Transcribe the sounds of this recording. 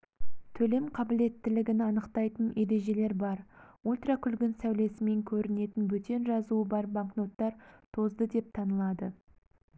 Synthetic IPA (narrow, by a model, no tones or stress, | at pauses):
t̪ʰɵle̞mqʰɑbɪle̞t̪ːɪlɪɡʲɪnɪɑnəqt̪ɑjt̪ənʔe̞ɾe̞ʒe̞le̞ɾbɑɾulʲt̪rakʲʰʏlɡʲɪnsæwle̞sɪme̞ŋkʲʰɵɾɪne̞t̪ɪnbɵt̪e̞nʒɑzuəbɑɾbaŋkno̞t̪ːɑɾt̪ʰo̞zd̪əd̪e̞p̚t̪ʰɑnəlˠɑd̪ə